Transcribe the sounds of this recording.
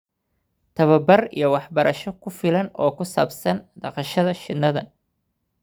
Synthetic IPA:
t̪ʰɐβɐbɐrḭjɞwɑħbɐɾɐʃɔkʰʊfɪlɐnɔːkʰʊsaːbsɐnɖɑqɑʃɐðɐʃɪnːɐðɐ

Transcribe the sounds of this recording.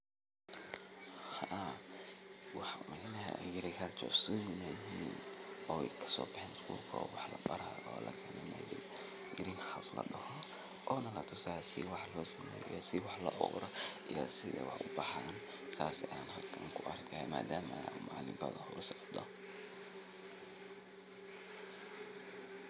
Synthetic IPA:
ha | wɑħmɛnɐɦɐɡɪɾɪkʰalt͡ʃɔ̰sʊjnɛjiːnɔːɛjkʰɐ̥sɔːbɪħɛːnɪskʰuːlkʰɐɔwɑħlɐbɐɾa | ɔ̰ːlɐɡʰɛnɐmɛjɛj | ɡɪɾiŋkʰɐ̥ħawslɐ̰ɖɐhɔ | ʔɔːnɐlɐt̪ʰʊsaːjsɪ̰wɑħlɔːsɐmɛ̰ːjɔḭjɔsɪwɑħlɐʔɔɣɾɔʔijɔ̰sɪðɛwɑ̰ħʊbɑħan | saːsjaːnɦɐlkʰɐŋkʰʊʔɐrkʰɐɛma̰ːd̪aːmɐmaːlɪ̰ɡɔ̰ːðɐhʊsɔʕd̪ɔ

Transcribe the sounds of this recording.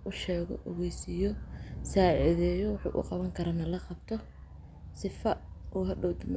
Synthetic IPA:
ʔʊʃɛːɣɔ̰ʔɔɣɛjsijɔsaːʕɪðɛːjɔwɑħṵːʔʊ̰qɑβɐŋkʰɐɾɐnɐlɐqɑbt̪ʰɔ | sɪfɐʔuːɦɐɖɔwd̪ɪm

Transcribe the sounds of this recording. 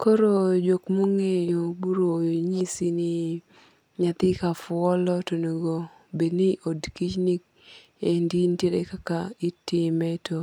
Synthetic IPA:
koɾod͡ʒokmoŋejobuɾojɲisinɪ | ɲat̪ɪkafʊɔlɔtonoɡo | bedniʔodkit͡ʃnik | endintjeɾekakaitɪmɛto

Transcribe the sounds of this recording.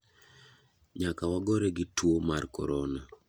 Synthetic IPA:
ɲakawaɡɔɾɛɡɪtwomarkɔ̰ɾɔna

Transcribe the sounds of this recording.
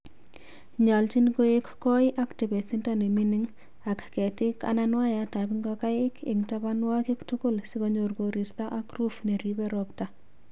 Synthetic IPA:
ɲalt͡ʃinɡoekkɔiʔaktibesintaneminiŋ | akketika̰nanwajatabiŋɡɔkajɪkɪ̰ŋtabanwakiktukulsikɔɲoɾɡoɾistaʔakrufneɾibɛɾɔpta

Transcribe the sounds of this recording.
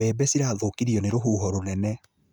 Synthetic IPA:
ɛːbɛsiɾaːðokiɾiɔneɾoɦuːɦɔɾonɛnɛ

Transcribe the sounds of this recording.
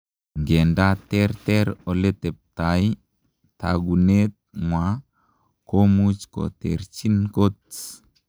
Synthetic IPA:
ŋɡendat̪ɛɾt̪ɛɾolet̪ep̚t̪aj | t̪a̰ɡunet̪̚mwa | komut͡ʃko̰t̪ḛɾt͡ʃinkot

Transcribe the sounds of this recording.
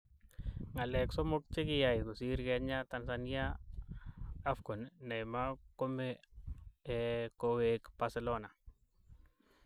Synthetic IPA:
ŋalɛksɔmok̚t͡ʃekɪjaɪkosiɾkɛɲatansania | fɡonːɛjmakomɛː | kowekb̥aselona

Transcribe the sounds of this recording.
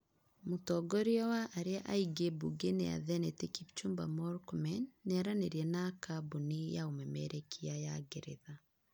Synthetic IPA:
motɔɡɔɾiɔwaʔaɾeaʔaiɡebuɡenea̰ðɛnɛtekipt͡ʃumbamɔɾkmɛnːeaɾaneɾiɛnakabunejaomɛmɛɾɛkʰiajaɡeɾḛða

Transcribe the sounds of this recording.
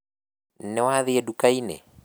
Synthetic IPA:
nnɛwaðiɛdukainɛ̰

